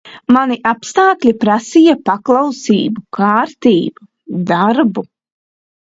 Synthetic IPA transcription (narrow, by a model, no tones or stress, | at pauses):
maniʔapst̪aːklʲipɾasijapaklˠawsiːbukaːɾt̪iːbu | d̪aɾbu